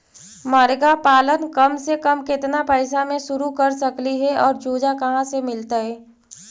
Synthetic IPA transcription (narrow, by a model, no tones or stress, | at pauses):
məɾɡapaːlənkɐmsekɐmkɪt̪napəɪsamẽʃʊɾukɐɾsɐkliɦɛɔːɾd͡ʒoːd͡ʒakɐɦãsemɪlt̪aɦɛː